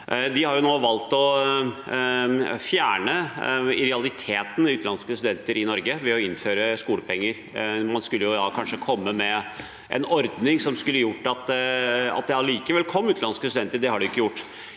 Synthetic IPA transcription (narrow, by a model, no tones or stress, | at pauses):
ʔd̪ɪhɑɾjʊnoːʋɑlt̪ɔ | fjæːɳəɪɾɛɑlɪt̪ʰeːt̪n̩ʉːt̪lɑnskəst̪ʉd̪ɛnt̪əɾɪnɔɾɡəʋɛɔɪnføːɾəskuːləpʰɛŋːəɾ | mɑnskʉlːəjʊd̪ɑːkʰɑnʂəkʰɔmːəmɛ | ʔɛ̰nɔɾd̪nɪŋsɔmskʉlːəjʊʈːɑt̪ɑ̰t̪̚d̪ɛɑliːkəʋɛlkʰɔmːʉːt̪lɑnskəst̪ʉd̪ɛnt̪əɖ̪ɛhɑɖɪʊɪkːəjʊʈː